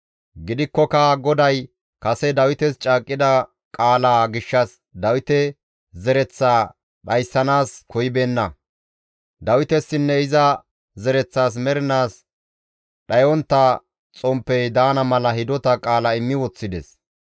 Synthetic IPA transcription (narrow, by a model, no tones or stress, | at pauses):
ɡɪd̪ɪkːɔkɐɡɔd̪ɐj | kɐsɛd̪ɐwɪt̪ɛst͡ʃʼaːkʼːɪd̪ɐ | kʼaːlaːɡɪʃːɐs | d̪ɐwɪt̪ɛ | zɛɾɛt͡sːaː | ɗɐjsːɐnaːskɔjɪbeːnːɐ | d̪ɐwɪt̪ɛsːɪnːɛɪzɐ | zɛɾɛt͡sːaːs̬mɛɾɪnaːs | ɗɐjɔnt̪ːɐ | t͡sʼɔmpːɛjd̪aːnɐmɐlɐhɪd̪ɔt̪ɐkʼaːlɐɪmːɪwɔt͡sːɪd̪ɛs